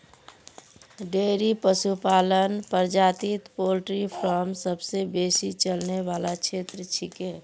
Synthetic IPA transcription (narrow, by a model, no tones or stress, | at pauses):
ɖeːɾipəsupaːlənpəɾd͡ʒaːt̪it̪polʈɾipʰɾɔːmsəbsebeːsit͡ʃəlneʋaːlakt͡ʃʰeːt̪ɾət͡ʃʰikɦɛː